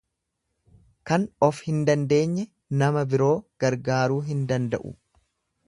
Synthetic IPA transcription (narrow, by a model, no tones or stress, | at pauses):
kɐnɔfhɪnd̪ɐnd̪e̞ːɲːɛ | nɐmɐbɪɾo̞ːɡ̥ɐɾɡaːɾuːɦɪnd̪ɐnd̪ɐʔʊ̰